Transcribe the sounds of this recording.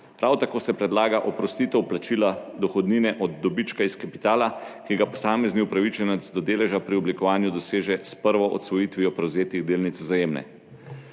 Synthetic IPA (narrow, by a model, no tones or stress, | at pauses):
pɾawt̪akoːsɛpɾɛd̪laːɡaʔɔpɾɔst̪it̪ɛwplat͡ʃilad̪ɔxɔd̪niːnɛʔɔd̪ːɔbit͡ʃkaiskapi̥t̪aːlakiɡapɔsaːmɛzniupɾaʋit͡ʃɛnɛzd̪ɔd̪eːlɛʒapɾiɔblikɔʋaːnjud̪ɔseːʒɛspəɾʋɔʔɔ̰t̪sʋɔjit̪ʋiɔpɾɛwzeːt̪iɣd̪eːlnit̪sɔzajeːmnɛ̰